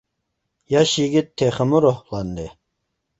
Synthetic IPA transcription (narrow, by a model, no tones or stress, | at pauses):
jaɕiɡit̪ʰːeχəmuɾohlˠɑnd̪e